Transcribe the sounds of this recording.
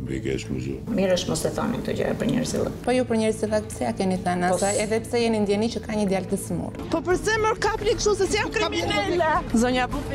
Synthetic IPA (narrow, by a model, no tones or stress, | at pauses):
vḭkɛ̰ʃmə̰zṵmiɾəʃt̪mɔst̪ɛt̪ɔ̰nḭk̚t̪ɔd͡ʒa̰apəɾɲɛ̰ɾsḭlˠɛ̰pɔjupəɾɲɛɾzilˠak̚pə̥sɛakɛniθanat̪aɛðɛpəsɛjɛnind̪jɛnit͡ʃəkaɲəd̪jalt̪əsəmṵɾpɔpəɾsɛməɾkapɾikʃusɛsjamkɾimɛlazɔɲapɔ